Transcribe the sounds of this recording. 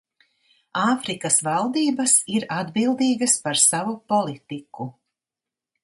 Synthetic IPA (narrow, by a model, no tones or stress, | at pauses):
aːfɾikɐsvalˠd̪iːbɐsiɾad̪bilˠd̪iːɡɐspaɾsavupɔlˠit̪iku